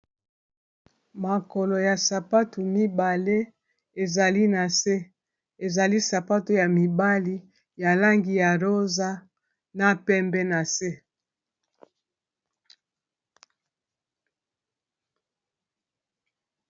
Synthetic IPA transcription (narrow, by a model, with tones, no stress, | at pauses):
ma˨ko˨lo˨ja˨sa˨pa˦tu˨mi˦ba˨le˦ | e˨za˨li˦na˨se˦ | e˨za˨li˦sa˨pa˦tu˨ja˨mi˨ba˦li˦ | ja˨la˦ŋɡi˨ja˨ʁo˦za˦ | na˦pɛ˦mbɛ˦na˨se˦